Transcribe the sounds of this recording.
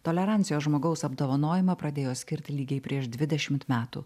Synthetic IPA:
t̪oːlʲɛɾɑˑnʲsʲɪjoːsʒmoːɡɐʊsɐbd̪oːʋɐnoːjɪmɐpɾɐd̪ʲeːjoːsʲkʲɪɾʲt̪ʲɪlʲiːɡʲɛɪpʲɾʲiɛʃd̪ʲʋʲɪd̪ʲɛʃʲɪmt̪mʲæːt̪ṵː

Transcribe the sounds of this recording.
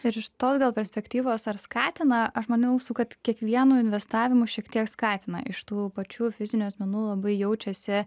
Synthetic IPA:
ɪɾɪʃt̪oːsɡɐlˠpʲɛɾʲsʲpʲɛkt̪ʲiːʋoːsɐɾskɑːt̪ʲɪnɐɐʃmɐnʲʊsukɐt̪kʲiɛkʋʲiɛnuːɪnʲʋʲɛst̪ɑːʋʲɪmuʃʲiɛkt̪ʲiɛkskɑːt̪ʲɪnɐ̰ʔɪʃt̪uːpɐt͡ʃʲuːfʲɪzʲɪnʲuɐsʲmʲɛnuːlˠɐbɐɪjɛʊt͡ʃʲɛsʲɪ

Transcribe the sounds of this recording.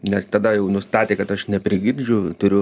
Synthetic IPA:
nʲɛst̪ɑd̪ɐjɛʊnʊst̪ɑːt̪ʲeːkɐt̪ɐʃnʲɛpʲɾʲɪɡʲirʲd͡ʒʲʊt̪ʊɾʲʊ

